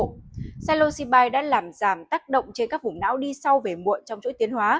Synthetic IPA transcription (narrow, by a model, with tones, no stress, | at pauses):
saː˧lo˧si˧ɓaː˧jɗa̰ː˧˥laː˨˩mzaː˧˩mt̪aː˦˥k̚ɗə̰˧˨wŋ͡mt͡ɕe˧nkaː˦˥k̚vʊ˨˩ŋ͡mna̰ː˧˥wɗi˧sa˧wve˨˩mṵ˧˨ənt͡ɕɔ˧wŋ͡mt͡ɕo̰˧˥jt̪i˨˦ənɦwaː˨˦